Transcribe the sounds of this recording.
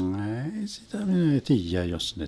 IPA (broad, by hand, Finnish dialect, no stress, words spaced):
eːi sitæ min ei tiːjæ jos ne